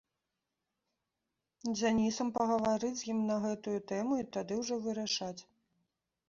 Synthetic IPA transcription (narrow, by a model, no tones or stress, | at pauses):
d͡zʲanʲisɐmpɐɣɐvaɾɨt͡sʲjimnɐɣɛt̪ujut̪ɛmuit̪ad̪ɨwʐɔvɨɾaʂat͡sʲ